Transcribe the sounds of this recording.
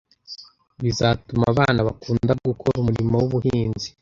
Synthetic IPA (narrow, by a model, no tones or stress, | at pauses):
βizatumaβaːnaβakuːndaɡukʰoɾumuɾimawuβuhiːnzi̥